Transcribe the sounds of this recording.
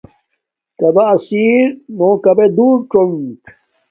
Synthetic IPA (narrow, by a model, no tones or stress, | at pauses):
kɐbaːsiːɾnõːkɐbed̪uːɾʈoŋk